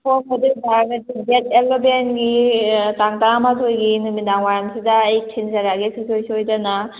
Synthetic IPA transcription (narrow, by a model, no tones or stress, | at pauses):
pʰɔmɔdik̚baɾɡɐdiɡetelːobenɡitaŋtamatʰojɡinumidaŋwaɾamsidaːjtʰinzaɾaɡisisʰojsojdana